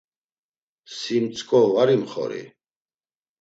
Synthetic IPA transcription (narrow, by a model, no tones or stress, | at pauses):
simt̪t͡sʰkʼɔvaɾimχɔ̰ɾḭ